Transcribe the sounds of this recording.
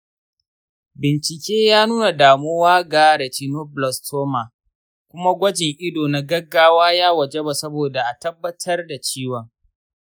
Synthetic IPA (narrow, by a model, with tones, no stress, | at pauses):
bɪ˨nt͡ʃɪ˨kʲeː˦jaː˦nuː˦na˨daː˨moː˦waː˦ɡaː˦ɽɐ˨t͡ʃi˦no˦blɔ˨stʰoː˦maː˨ | kʷʊ˦ma˦ɡʷɐ˦d͡ʒɪ˨ŋʔɪ˦doː˨na˨ɡɐ˦ɡːaː˦waː˦jaː˦wɐ˨d͡ʒe˦ba˨sɐ˦boː˨da˨ʔa˨tɐ˦bːɐ˦tʰɐ˦rda˨t͡ʃiː˦wɐ˨ŋ